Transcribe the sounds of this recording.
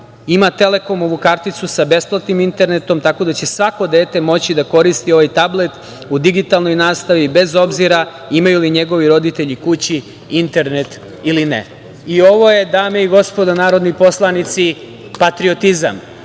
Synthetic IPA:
imat̪e̞le̞ko̞moʋukaɾt̪it̪susabe̞splˠat̪nimint̪e̞ɾne̞t̪o̞mt̪ako̞d̪at͡ɕe̞sʋakod̪e̞ːt̪e̞mo̞t͡ɕid̪ako̞ɾist̪io̞ʋajt̪able̞t̪ | ud̪iɡit̪alˠno̞jnaːst̪aʋibe̞zo̞bziɾa | imajuliɲe̞ɡo̞ʋiɾo̞d̪it̪e̞ʎikut͡ɕi | int̪e̞ɾnet̪ | ilinḛ | io̞ʋo̞je̞d̪aːmeiɡo̞spo̞d̪anaːɾo̞d̪nipo̞slˠanit̪si | pat̪ɾio̞t̪iza̰m

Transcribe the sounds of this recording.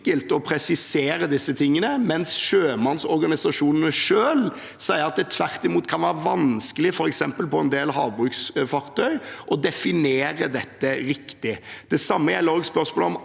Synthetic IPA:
kəlt̪ɔpʰɾɛsɪseːɾəd̪ɪsːət̪ʰɪŋːənəmɛnsʃøːmɑnsɔɾɡɑnɪsɑʂuːnənəʂøːl | sæɪəɾɑt̪̚d̪ɛt̪ʰʋæɾt̪ɪmuːt̪kʰɑnʋæːɾəʋɑnskəlɪfɔɾɛksɛmpəlpɔɛnd̪eːlhɑːʋbʁʉːksfɑʁt̪ʰœʏʔɔd̪ɛfɪneːɾəd̪ɛt̪ːəɾɪkt̪ɪd̪̥ɛsɑmːəæloːɡspœɾsmoːləɔm

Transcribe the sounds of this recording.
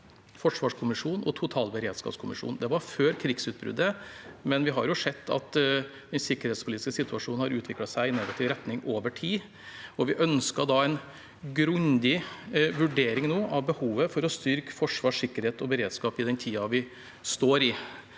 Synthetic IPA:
fɔʂʋɑːʂkʰʊmɪʂuːnɔ̰t̪ʰʊt̪ʰɑːlbəɾeːd̪skɑ̰pskʰʊmɪʂṵːn̩d̪ɛʋɑɾføːɾkʰɾɪɡsʉːt̪̚bɾʉ̰d̪ːəmɛnʋɪɦɑ̰ɾjʊʂɛt̪ːɑ̰t̪ | d̪ɛnsɪkːəɾheːt̪spʰʊlit̪ɪ̥skəsɪt̪ʰʉɑʂuːnn̩hɑɾʉːt̪ʋɪklɑsæɪɪneːɡɑt̪ʰiːʋɾɛt̪nɪŋoːʋəʈʰiː | ɔʋɪʔœnskɑd̪ɑɛɪn | ɡɾʉnd̪ɪʋʉɖeːɾɪŋnoːʔɑʋbəhuːʋəfɔɾɔst̪ʏɾkfɔʂʋɑːʂɪkːəɾheːt̪ɔbəɾeːd̪skɑːpɪd̪ɛnt̪ʰiːɑʋɪ | st̪oːɾɪ

